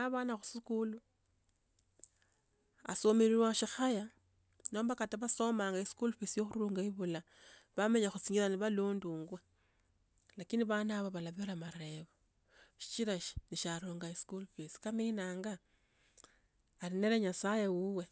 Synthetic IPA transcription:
aβaːnaxusikulu | a̰somiɾirwaʃixaja | no̞ːmbakataβaso̞maːŋɡaiskulfisijoxuruːŋɡaiβula | βameɲaxut͡siːŋɡiɾaniβaluːnduːŋɡwe | lakindiβanaβaβalaβiɾamaɾe̞βo | ʃi̥t͡ʃiɾaʃi̥niʃaɾuːŋɡaiskulfisi̥kamiinaːŋɡa | ɾine̞leɲasajewuwe̞

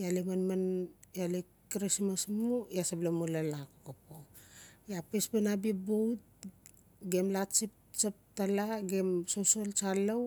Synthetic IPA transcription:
jalimanmanjali | kɾismasmujasablamolalakokapojapesbanabibowt̚ | ɡemlat͡ʃip̚ | t͡ʃap̚talaɡemsosolt͡ʃalaw

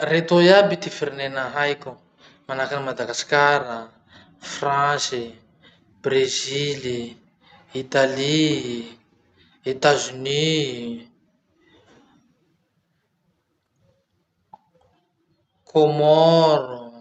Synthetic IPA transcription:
ret̪ojabit̪ifiɾinenəɦajkʲu | manakanmad̪aɡaskaɾə | fransi | brezili | it̪ali | et̪azini | kʰomɔɾu

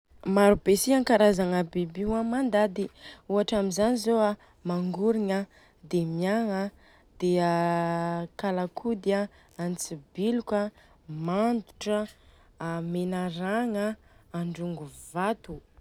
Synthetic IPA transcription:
maɾub̥esiaŋkaɾazaŋəbibiwamand̪ad̪iuaʈ͡ʂamizanizoa | maŋɡuɾiŋə | d̪emijaŋə | d̪̥ea | kalakʰud̪ia | ant͡sibiluka | mand̪u̥ʈ͡ʂə | menaɾaŋəːɳɖ͡ʐuŋɡuvat̪u

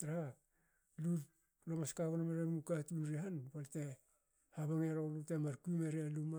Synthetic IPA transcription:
tɾa | lut | loŋaskakonameɾamukatunɾihanpalte | haβaŋeɾolutemaɾkuimeɾealuma

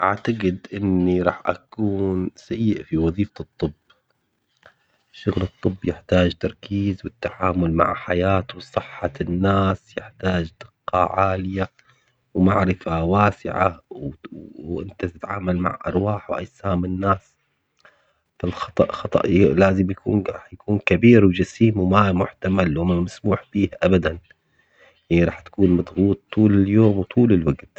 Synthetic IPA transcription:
ʔaʕt̪aɡɪd̪ʔɪnːiɾˤɑːħʔa̰kuːnsajːɪʔfiwɑðˤiːfat̪ˤːɨbː | ʃʊɣlɨt̪ˤːɨbːjɪħt̪aːd͡ʒt̪ɑɾˤkiːzwɪt̪ːaʕaːmʊlma̰ʕħajaːt̪wsˤɨħːanːaːsjɪħt̪aːd͡ʒd̪ɪqːɑ̰ʕaːlɪja | wmaʕɾɪfawaːsɪ̰ʕa̰wʔɪnt̪at̪ɪt̪ʕaːmalma̰ʕʔɑ̰ɾˤwaːħwʔa̰jsaːmɪnːaːs | falxɑt̪ˤɑ̰ʔxɑt̪ˤɑ̰ʔlaːzɪmjakṵːnɾˤɑːħjakuːnkabiːɾwd͡ʒasiːmwmamʊħt̪amalwmamasmuːħbiːhʔabad̪an | jaʕniɾˤɑːħt̪ḁkuːnmɑd̪ˤɣuːt̪ːuːlɪljoːmwt̪ʰˤuːlɪlwaɡt̪

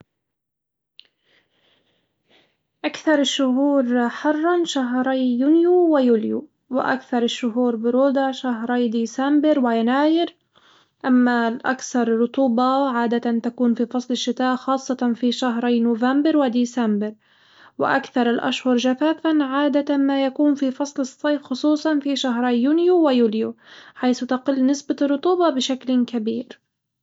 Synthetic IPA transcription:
ʔakθɑɾˤɪʃːʊɦuːɾħɑrˤːɑnʃaɦɾˤɑjjunjuwɪjuːlju | wɪ̰ʔa̰kθɑɾˤɪʃːʊɦuːɾbʊɾuːd̪aʃaɦɾˤɑːd̪iːsambɪɾwɪjanaːjɪɾ | ʔamːalʔa̰kθɑɾˤrːʊt̪ˤuːbɑʕaːd̪at̪ant̪akuːnfifɑsˤlɪʃːɪt̪aːʔxɑːsˤːɑt̪fiʃaɦɾˤɑjnʊːvambɪɾwɪd̪iːsambɪɾ | wɪ̰ʔa̰kθɑɾˤɪlʔa̰ʃhʊɾˤʒafaːfanʕaːd̪aamajakuːnfifɑsˤlɨsˤːɑjfxʊsˤuːsˤɑnfiʃaɦɾˤɑjːunjuwɪjuːljuħajθʊt̪aqɪlːnɪsbarˤːʊt̪ˤuːbɑbɪʃaklkabiːɾ

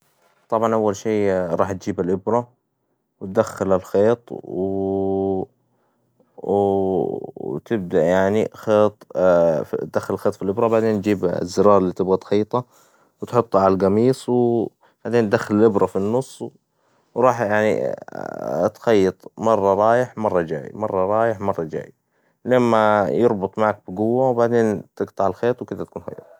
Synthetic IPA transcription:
t̪ˤɑbʕɑnʔawːalʃeːɾˤɑːħt̪̚d͡ʒiːbalʔɪbɾˤɑ | wɪt̪̚d̪axːalalxeːt̪ˤwɪ | t̪ɪb̚d̪aʔjaʕnixeːt̪̚ˤ | d̪axːalɪlxeːt̪ˤfilʔɪbɾˤɑbaʕd̪eːnt̪d͡ʒiːb̰zːɪɾɑːɾˤlːiːt̪ɪbɣat̪xɑjːt̪ˤɑ | wt̪ħʊt̪ˤːʕalalɡɑmiːsˤw | b̥aʕd̪eːnd̪axːallʔɪbɾˤɑfinːʊsˤː | wɾˤɑːħjaʕnḭ | t̪xɑjːɑt̪ˤmɑrˤːɑɾˤɑːjɪħmɑrˤːɑd͡ʒa̰ːjmɑrˤːɑɾˤɑːjɪħmɑrˤːɑd͡ʒa̰ːj | lamːajɪɾˤbʊt̪ˤmaʕak̚bɪɡʊwːawbaʕd̪eːnt̪ɪɡt̪ˤɑʕalxeːt̪ˤwkɪd̪at̪̚kuːnha̰ja̰

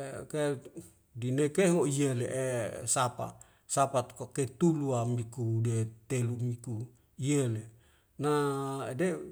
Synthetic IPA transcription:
ke | dinekeɦoijeleʔesapa̰ | sapat̪koket̪uluamikudet̪elumiku | ijele | naede

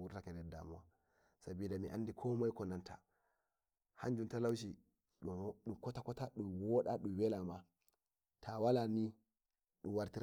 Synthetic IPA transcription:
uɾtakɛdɛda̰mɔwa | sabiːdamiʔandikʰɔmajkɔnantʰa | haɲd͡ʒuntalawʃ̬i | ɗɗumkɔtakɔtaɗuwɔɗaɗumwɛlama | tʰawalani | ɗumwaɾtiɾ

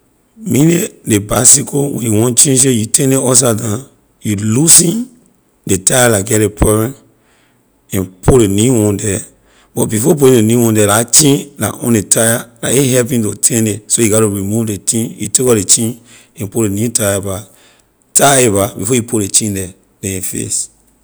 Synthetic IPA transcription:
mĩnedebasikowɛ̰̃njuwɔ̃nt͡ʃĩns̬ejutʰɛ̃neɔs̬adã | julusĩn | detajalaɡɛɾepʰɛvɛ̃n | ɛ̃npʰoɾenuwɔ̃ndɛ | b̥ɔtbifɔp̬oeenuwɔ̃ndɛlat͡ʃĩnla̰ʔɔ̰̃netʰajalaeɦɛpĩntotʰɛ̃nesojuɡɔtuɹimuvdetĩnjṵtekɔdet͡ʃĩn | ɛ̃npulenjutajaba | tʰaebabifɔjupulet͡ʃĩndɛ | d̥ɛ̃efḛs

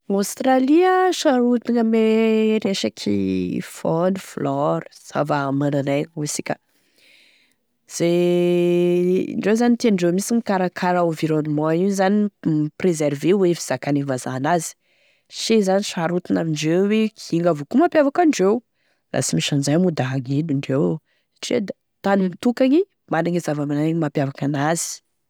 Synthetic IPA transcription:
awst̪raliəʃaɾut̪inəmeɾeʃakʰḭfɔniflɔɾz̥a̰vamananajusikʲə | z̥e | ɳɖ͡ʐewzanit̪eɳɖ͡ʐemisiŋikaɾakʰaɾaoviɾonumãizaniprezɛɾvewefiz̥akanivazanazi̥ | ʃezaniʃaɾut̪unaviɳɖ͡ʐewwekiiŋavokumapjavakaɳɖ͡ʐew | la̰simiʃand͡ʒamud̪aɦaŋeliɳɖ͡ʐew | sḁʈ͡ʂid̪a | t̪animit̪ukaɲi | manaŋizavamanamapjavakanazi̥

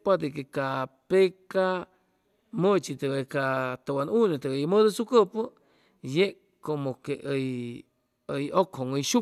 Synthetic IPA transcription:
pat̪ekekapeka | mõt͡ʃit̪əɣekat̪awanũnẽt̪əejmə̃d̪osukəpo | jeʔ | komõkeʔəj | əjokʰoŋəjʃu

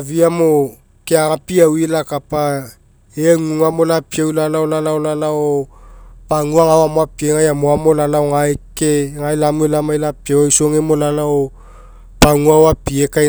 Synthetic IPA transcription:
viamo | keaŋapiawilakapa | eŋuŋamolapiawilanaolalaolalao | paŋuaŋawamoapieŋajamoamolalaoŋaekeŋajlamuelamajlapiawajsoŋemolalao | paŋuawapieka

